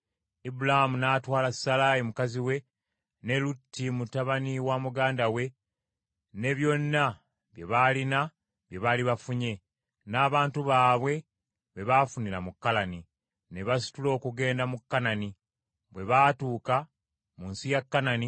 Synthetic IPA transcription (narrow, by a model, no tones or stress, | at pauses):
ibulahamunaːtwaːlasalaːjimukaziwe̞ | ne̞lutːimutaβaniwamuɡaːndawe̞ | ne̞βjo̞nːa | βjeβalina | βje̞βaliβafuɲe̞ | naːβaːntuβaːβwe̞ | βe̞βafunilamukːalani | ne̞βasi̥tulo̞ːkuɡe̞ːndamukːanani | βwe̞βaːtuːka | munsijakːanani